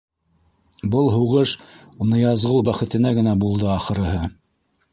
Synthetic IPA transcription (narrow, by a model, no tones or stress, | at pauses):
bɤlˠɦuʁɤʃ | nɤ̆jɑzʁɤlˠbæχɘ̆t̪ɘ̆næɡɘ̆næbulˠd̪ɤɑχɤ̆ɾɤ̆ɦɤ